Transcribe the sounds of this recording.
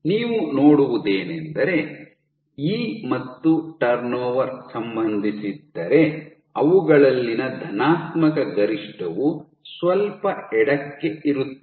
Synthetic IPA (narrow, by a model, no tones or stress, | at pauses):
niːʋunoːɽuʋud̪eːnend̪ɐɾe̞ | iːmɐt̪ːuʈɐɾnɔːʋɐɾsɐmbɐnd̪ʱisid̪ːɐɾe̞ | ɐʋuɡɐɭɐlːinɐd̪ʱɐnaːt̪mɐkɐɡɐɾiʂʈɐʋu | sʋɐlpɐɛɽɐkːe̞ʔiɾut̪ːe